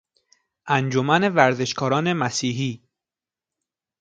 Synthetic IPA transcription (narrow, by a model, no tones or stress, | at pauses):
ʔænd͡ʒomænevæɾze̞ʃkʰɒːɾɒːne̞mæsiːɦiː